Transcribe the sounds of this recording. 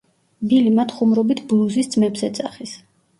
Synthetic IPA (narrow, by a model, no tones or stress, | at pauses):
bilimat̪ʰχumɾɔbit̪ʰblˠuzist̪sʼmɛbzɛt̪sʼaχis